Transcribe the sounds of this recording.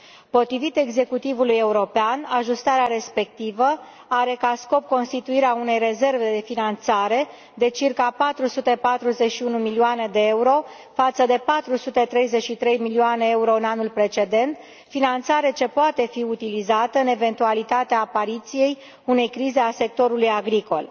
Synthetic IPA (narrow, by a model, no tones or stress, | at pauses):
po̞t̪ɾivit̪e̞ɡze̞kut̪ivuluje̞uɾo̞peanaʒust̪aɾeaɾe̞spe̞k̚t̪ivə | aɾe̞kasko̞p̚ko̞nst̪it̪uiɾeaune̞jre̞ze̞rve̞d̪e̞finant̪saɾe̞ | d̪e̞t͡ʃirkapat̪ɾusut̪e̞pat̪ɾuze̞t͡ʃʃiunumilioane̞d̪e̞euɾo̞ | fat̪səd̪e̞pat̪ɾusut̪e̞t̪ɾe̞jze̞t͡ʃʃit̪ɾe̞jmilioane̞euɾo̞ɨnanulpɾe̞t͡ʃe̞d̪e̞nt̪ | finant̪saɾe̞t͡ʃe̞poat̪e̞fiut̪ilizat̪əɨne̞ve̞nt̪ualit̪at̪eaːpaɾit̪sije̞j | une̞jkɾize̞ase̞k̚t̪o̞ɾulujaɡɾiko̞̰l